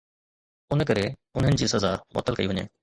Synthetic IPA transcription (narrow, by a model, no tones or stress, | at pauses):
ʊnək̬əɾeʊnɦənɪ̆d͡ʑiːsɐzamɔ̰ːt̪əlkɐiɦʊɲḛː